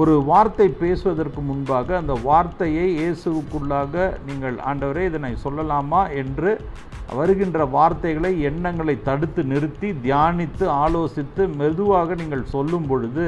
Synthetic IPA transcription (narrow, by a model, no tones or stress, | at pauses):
ɔɾɯʋaːɾt̪ɐɪpeːsɯʋɐðɐrkɯmʊnbaːɣɐːnd̪ɐʋaːɾt̪ɐjɐɪjeːsɯʋɯkːɯɭːaːɣɐniːŋɡɐɭa̰ːɳɖɐʋɐɾeːɪðɐnɐɪsɔlːɐlaːmaːɛndrɯ | ʋɐɾɯɣɪndrɐʋaːɾt̪ɐɪɣɐɭɐɪɛɳːɐŋɡɐɭɐɪt̪ːɐɽɯt̪ːɯnɪɾɯt̪ːid̪jaːnɪt̪ːɯaːloːsɪt̪ːɯmɛðɯʋaːɣɐniːŋɡɐɭsɔlːɯmpɔɻɯðɯ